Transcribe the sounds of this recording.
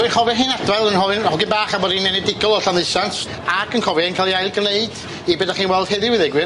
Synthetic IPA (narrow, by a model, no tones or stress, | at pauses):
ɪnkʰɔvɛɦɨːnadwɛlˠənɦɔɨnɔlˠɡɪnbaːχamɔɾinɛnɛdɪɡɔlˠɔɬanlɨsans | aɡənkʰɔvɛnkʰalˠjajlˠɡərneɨd̥ | ibɛdaχiːnwɛlˠd̥hɛðɪwɪðɛɡwɨn